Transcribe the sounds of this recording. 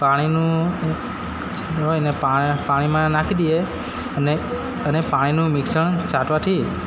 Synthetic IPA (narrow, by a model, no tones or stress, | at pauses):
paɽ̃inũ | t͡ʃd̪oenepapaɽ̃imãnakʰd̪ie | əne | ənepaɽ̃inũmɪksəɳ̃t͡ʃaʈʋat̪ʰi